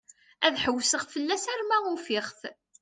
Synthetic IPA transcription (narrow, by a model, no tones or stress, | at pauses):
æðħəwːsəʁfəlːæsæɾmæʊfɪʁθ